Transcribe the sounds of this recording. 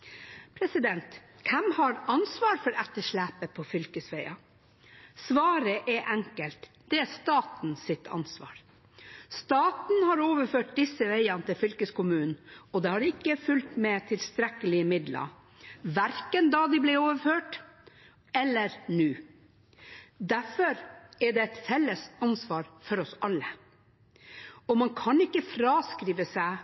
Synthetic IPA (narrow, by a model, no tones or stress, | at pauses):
pʰɾɛsɪd̪ɛnt̪ | kʰɛmhɑɾɑnsʋɑːɾfɔɾɛt̪ːəʂɭæːpəpʰɔfʏlkəsʋæɪɑ | sʋɑːɾəʔɛʔɛŋkəlt̪ | d̪̥ɛæst̪ɑːt̪n̩sɪt̪ʰɑ̰nsʋɑ̰ːɾ | st̪ɑːt̪n̩hɑɾoːʋəɾføːʈ̚d̪ɪsːəʋeɪɑnət̪ɪlfʏlkəskʊmʉːnn̩ɔd̪ɛhɑɾɪkːəfʉlt̪mɛt̪ʰɪlst̪ɾɛkəlɪəmɪd̪lə̰ | ʋæɾkənd̪ɑd̪ɪblɪoːʋəɾføːʈ | ɛlːəɾnʉː | d̪æfɔɾɛɖɛɛt̪fɛlːəsɑnsʋɑːɾfɔɾɔsɑlːə | ɔmɑnkʰɑnɪkːəfɾɑːskɾiːʋəsæɪ